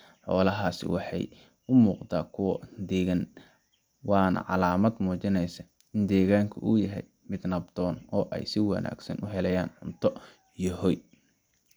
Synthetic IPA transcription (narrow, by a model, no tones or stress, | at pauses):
ħɔ̰ːlɐɦaːsɪ̰wɑħɑ̰j | ʊmuːqt̪aːkʰʊwɔd̪ɛːɣɐn | wɑːnɐ̰ʕɑ̰laːmɐd̪muːt͡ʃɪnɛjsɐ | ɪnd̪ɛːɣaːŋkʰɐʔujɐɦɛj | mɪd̪nɐb̚d̪ɔːnɔːʔɛ̰jsɪwɐ̰nʔa̰ːɡsɐ̰nʊɦɛlɛjaːnħʊmt̪ʰɔ | ijɔhɔj